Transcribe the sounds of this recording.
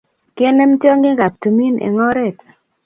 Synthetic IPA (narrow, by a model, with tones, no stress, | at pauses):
ke˦ne˦m˦tjo˦ŋɡe˦ɡa˨p̚tu˨mi˦nḛ˨ŋɔ˦ɾɛ˦˨t